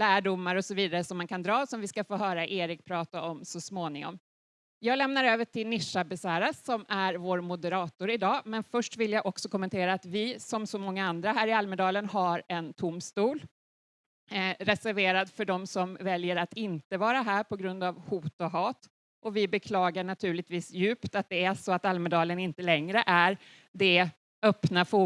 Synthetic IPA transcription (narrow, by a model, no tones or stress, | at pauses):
læːɖʊmːaɾɔsɔviːd̪aɾəsɔmːankʰand̪ɾɑːsɔmvɪskafoːɦœːɾaʔeːɾɪk̚pʰɾɑːt̪aʔɔmsɔsmoːnɪŋɔ̰m | jɑːɡlɛmnaɾøːvəʈʰɪlnɪʂabɛsæːɾasɔmæɾvoːɾmʊd̪əɾɑːt̪ʊɾɪd̪ɑːmɛnfœʂʈvɪljaɡʔɔksɔkʰɔmːɛnt̪ʰeːɾaːt̪vɪsɔmsɔmɔŋːaand̪ɾaɦæːɾɪalməd̪ɑːlənhaɾɛnt̪ʰʊmst̪uːl | ɾɛsæɾveːɾad̪fœɖɔmsɔmvɛljəɾat̪ɪnt̪əvɑːɾaɦæːɾpʰɔɡɾɵnd̪avhuːt̪ɔɦɑːt̪ | ʔɔvɪbɛkʰlɑːɡaɳat̪ʰʉ̟ːɭɪt̪viːsjʉ̟ːpt̪at̪̚d̪ɛæʂɔat̪almɛd̪ɑːlənɪnt̪əlɛŋɾəʔæɾ | ɖ̪ɛ | œpnafuː